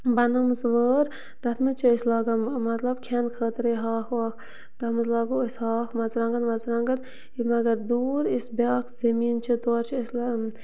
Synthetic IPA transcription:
bɐnɨmɨzʋəːɾ | d̪ɐt̪ʰmɨt͡ʃʰiəslaːɡɐmɐt̪lɐb̚kʲʰenkʰəːt̪ɾeɦaːxʋaːk | d̪̥ɐt̪mɨzlaːɡuəsʲhɑːxmɐzɾaːŋɡɐnmɐzɾɐŋɡɐn | imɐɡɐɾd̪uːɾisbʲɑːkʰzɐmiːnt͡ʃʰit̪oːɾt͡ʃʰiəsl

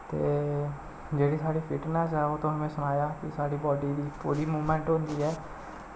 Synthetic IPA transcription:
t̪e | d͡ʒeːɽisaɽipʰiʈnɛs̬ɦɛot̪õɦəmẽsʊnaːjakisaɽibɔːɖidipuɾimumeɳʈõnd̪iɛ

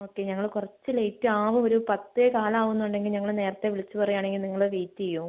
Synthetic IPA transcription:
o̞ːkːe̞ɲɐŋːɐɭkurɐt͡ɕːɨlejtːɨaːʋumoɾupɐt̪ːɨekaːlɐmaːʋunːuɳɖe̞ŋɡilɲɐŋːɐɭne̞ːɾɐt̪ːe̞ʋiɭit͡ɕːupɐrijaːɳe̞ŋɡilniŋːɐɭeʋiːt̪ːiijːu

